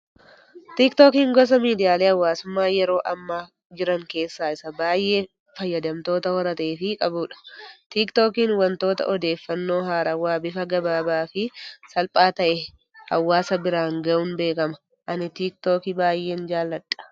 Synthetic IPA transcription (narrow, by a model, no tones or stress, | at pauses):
t̪ikt̪oːkiːŋɡɔs̬ɐmiːd̪ɪjaːleːhɐwːaːsʊmːaːjɛɾo̞ːʔɐmːaː | d͡ʒɪɾɐŋke̞ːsːaːɪsɐbaːjːe̞ː | fɐjːɐd̪ɐmt̪o̞ːt̪ɐhɔɾɐt̪ɐeːfɪkʼɐbʊᶑɐ̥t̪ikt̪oːkiːnwɐnt̪o̞ːt̪ɐ̰ʔɔd̪e̞ːfːɐnːo̞ːɦaːɾɐwaːbɪfɐɡɐbaːbaːfɪsɐlpʼaːt̪ɐʔɛ | hɐ̰wːaːsɐbɪɾaːŋɡɐʔʊnbe̞ːkɐmɐ | ʔɐnɪt̪iːk̚t̪oːkɪbaːjːe̞ːnd͡ʒaːlːɐᶑːɐ̥